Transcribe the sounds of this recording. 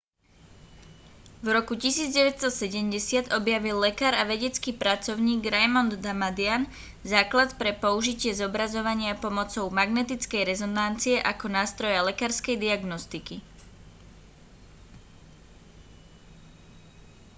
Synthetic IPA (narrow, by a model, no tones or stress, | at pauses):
vɾɔkucisiːd͡zɟɛʋɛtst̪ɔsɛɟɛmɟɛsɪad̪ɔbjaʋilːɛkaːɾaʋɛɟɛt͡skiːpɾat͡sɔʊɲiːɡɾɛjmɔnd̪ːamad̪ɪan | zaːklat̪pɾɛpɔuʒicɪɛzɔbɾazɔʋaɲɪapɔmɔt͡sɔʊmaɡnɛt̪it͡skɛjɾɛzɔnant͡siɛʔakɔnaːst̪ɾɔjalɛkaːɾskɛjd̪iaɡnɔst̪iki